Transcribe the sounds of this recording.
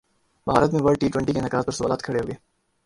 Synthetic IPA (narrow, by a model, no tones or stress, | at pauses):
bʱa̰ːɾət̪mẽʋəɽʈiːʈwɛ̃ɳʈikenɐka̰ːzpɐɾsʊʋaːlaːt̪̚kʰɐɽeɦoːɡeː